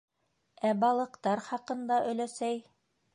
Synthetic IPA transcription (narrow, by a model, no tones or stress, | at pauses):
æbɑlˠɤ̆qt̪ɑɾχɑqɤ̆nd̪ɑʔɵ̆læsæj